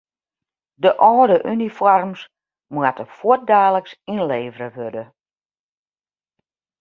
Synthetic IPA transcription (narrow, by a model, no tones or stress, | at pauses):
dəʔɔːdəʔynifɔrms | mwatəfuət̚daːləksinleːvəɾəʋødə